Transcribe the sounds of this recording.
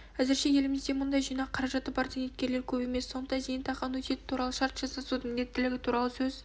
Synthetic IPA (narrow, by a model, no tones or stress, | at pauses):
æzɪɾʃe̞je̞lɪmɪzd̪emʊnd̪ɑjʒijnɑqqʰɑɾɑʒɑt̪ːəbɑɾt̪ʰenet̪kʲe̞ɾle̞ɾkʲʰɵbe̞me̞sːo̞nd̪əd̪ɑzejɪnt̪ʰɑʁɑnwɵt̪e̞t̪ɪ̥t̪ʰuɾɑlˠəʃɑɾt̪ʒ̥ɑsɑsud̪əmɪnd̪e̞t̪ːɪlɪɡʲɪt̪ʰuɾɑlˠəsɵz